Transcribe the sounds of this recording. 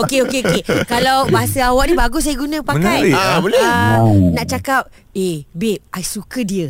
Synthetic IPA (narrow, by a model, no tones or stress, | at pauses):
okeokeokekalawbaɦasəawaʔ̚nĩbaɡʊsajəɡunãpaəkajabolenaʔt͡ʃakap̚ | ebep̚ajsukədiə